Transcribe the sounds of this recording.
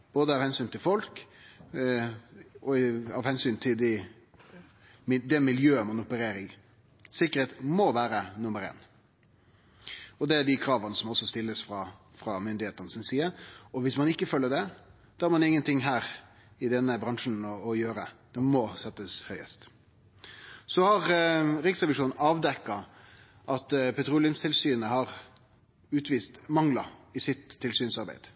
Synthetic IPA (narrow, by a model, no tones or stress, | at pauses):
b̥oːd̪əɑːʋhɛnsyːnt̪ʰɪlfɔlk | ɔɑʋhɛnsyːnt̪ʰɪld̪ɪ | mɪd̪ɛmɪljøːəmɑnʊpəɾeːɾɪŋ | sɪkːəɾheːt̪mɔʋæːɾənʊməɾḛːn | ɔd̪ɛæɖ̪ɪkʰɾɑːʋənəsɔmɔsːɔst̪ɪlːəsfɾɑ | fɾɑmʏnd̪ɪheːt̪ənəsɪnsiːəɔʋɪsmɑnɪkːəfœlːəɖɛ | d̪̥ɔhæɾmɑnɪŋːənt̪ʰɪŋɦæːɾ | ɪd̪ɛnːəbɾɑŋʂn̩ɔːjøːɾəd̪̥ɛmɔsɛt̪ːəshœʏə̰st̪ | sɔhɑʁɾɪksʁɛʋɪʂuːnn̩ʔɑːʋd̪ɛkːɑ | ʔɑt̪pʰɛt̪ʰɾuːlɪənst̪ʰɪlsyːnəhɑɾ | ʉːt̪ʰʋiːst̪mɑŋlɑ̰ɪsɪt̪ʰːɪlsyːnsɑɾbæ̰ɪd̪̥